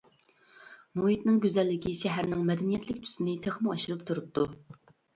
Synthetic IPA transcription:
moɦit̪̚nɨŋɡʲøzɛlːɪkʲiʃɛɦæɾnɪŋmɛd̪ɛnijɛt̪lɪkʲt̪ʰy̥sɪnɪt̪ʰeχmɨɑʃɨɾɨp̚t̪ʰuɾup̚t̪ʰːu

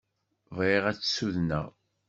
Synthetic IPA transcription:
vʁiʁæt͡sːsuðnæ̰

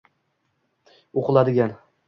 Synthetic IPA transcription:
oqɨlˠad̪ɪɡʲan

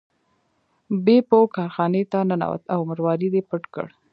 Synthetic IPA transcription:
bepokɑɾxɑnet̪anana̰wa̰t̪awməɾwɑɾid̪epəʈkə̰ɽ

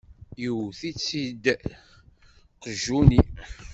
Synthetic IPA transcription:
juwθit͡sːid̪ | qəʒːuni

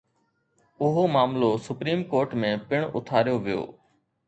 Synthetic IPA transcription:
ʊɦoːmaːmloːsʊpɾiːmkoːɾʈmẽːpɪɳ̃ʊ̰t̪ʰaːɾjoːʋɪjo̰ː

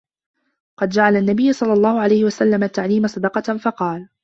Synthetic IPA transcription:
qɑd̪d͡ʒaʕalanːabɪjːʊsˤɑlːɑlˤːɑːhʊʕalajhɪwasalːamat̪ːaʕliːmasˤɑd̪ɑqɑfɑqɑːl

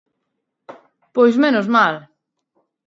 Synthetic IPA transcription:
pojsmenozmal

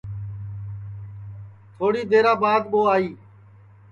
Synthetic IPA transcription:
t̪ʰoːɽiːd̪eːɾãːbaːd̪ɓoːaːiː

